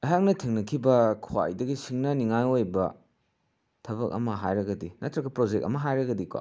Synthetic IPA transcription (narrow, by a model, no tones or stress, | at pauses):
ɐjɦak̚nɐtʰiŋnɐkʰibɐkʰuwa̰jdɐɡisiŋnɐniŋajojbɐ | tʰɐbɐk̚ɐ̰mɐɦajɾɐɡɐdinɐtɾɐɡɐpɾod͡ʒek̚ɐ̰mɐɦajɾɐɡɐdikwa̰